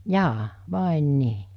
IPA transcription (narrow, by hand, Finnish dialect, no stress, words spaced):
jɑː ʋɑˑen niː